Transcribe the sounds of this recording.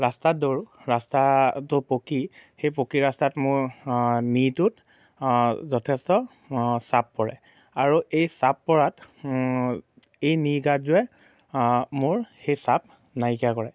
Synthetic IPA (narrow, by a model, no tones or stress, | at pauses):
ɹastat̚doɹɹastatʊpokixejpokiɹastatmʊɹnitʊt | zɔtʰɛstɔ | sapːɔɹɛ̰ | aɹuʔejsapːɔɹat | ejniɡazʊɛ | mʊɹxejsap̚ | najkakɔɹɛ